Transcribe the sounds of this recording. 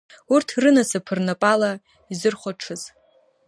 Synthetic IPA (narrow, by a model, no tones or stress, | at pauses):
urtʰrɨnasapʰɨrnapʼala | izɨrχʷaʈ͡ʂʰɨz